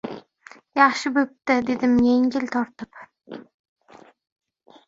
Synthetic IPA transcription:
jɑχʃɪbɵp̚t̪ɪd̪e̞d̪ɪmjeŋɡʲɪlʲt̪ʰɒɾt̪ɪp

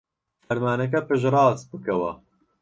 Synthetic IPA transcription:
fɐɾmaːnɐk̬ɐpɨʒrˤɑːzbɨkɐwɐ̰

